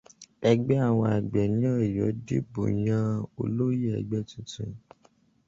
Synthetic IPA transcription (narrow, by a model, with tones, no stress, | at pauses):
ɛ˧ɡ͡bɛ˦a˦˨w̃ɔ̃˧a˨ɡ͡bɛ˨nĩ˨˦ɔ˦˨jɔ˨˦de˦bo̰˨jã˧o̰˧lo˦je˦ɛ̰˨ɡ͡bɛ˦tĩ˧˦tĩ˨